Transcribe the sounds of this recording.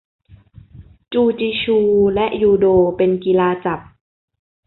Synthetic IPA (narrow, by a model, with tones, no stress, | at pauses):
t͡ɕuː˧t͡ɕiː˧t͡ɕʰuː˧lɛ˦˥ʔjuː˧doː˧pe˧nki˧laː˧t͡ɕa˨˩p̚